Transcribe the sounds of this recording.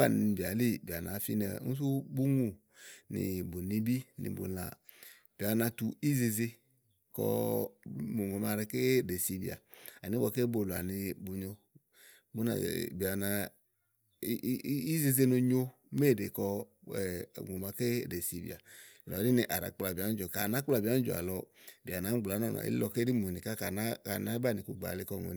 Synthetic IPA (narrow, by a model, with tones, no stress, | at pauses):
a˦˨n˨bi˨a˨li˦bi˨a˨na˨˦fi˦nɛ˨˦ŋu˦s̬u˦bu˦ŋu˨ | nḭ˨bu˨ni˧bi˦nḭ˨bṵ˨la̰˨ | b̥i˨a˨na˧tu˧i˦ze˧ze˧ | kɔ̰˧˨ | ŋo˨ma˨˧˨ɾɛ˧ke˦de˨si˧bḭ˨a̰˨a˨ni˦bɔ˧˨ke˦bo˧˨la̰˨ni˧bu˧ɲɔ˧ | bu˦na̰˨bi˨a˨na˧˦ | i˦ze˧ze˧no˧ɲo˧ | me˦˨de˨kɔ˧˨ | ŋ˨o˨ma˧ke˦de˨si˧bḭ˨a̰˨ | lɔ˨˦ɾi˦ni˧˨ʔa˨ɾa̰˨k͡pla˨ba˨˦d͡ʒɔ˨ka˨na˨˦k͡pla˨bi˨a˨˦d͡ʒo̰˨a̰˨lɔ˧bi˨a˨na˨˦ɡ͡bla˨˦nɔ˦˨nɔ̰˨ḭ˦lɔ˧ke˦ɾi˦mu˨ni˨ka˦ka˨na˦ka̰˨na˦ba˦˨ni˨ku˧ɡ͡ba̰˨li˧kɔ˧˨ŋo̰˨n˧